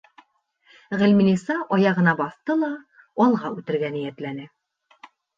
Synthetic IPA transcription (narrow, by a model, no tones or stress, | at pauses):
ʁɘ̆lminisɑʔɒjɑʁɤ̆nɑbɒθt̪ɤlˠɑ | ɒlˠʁɑʉt̪ɘ̆ɾɡænijæt̪lænɘ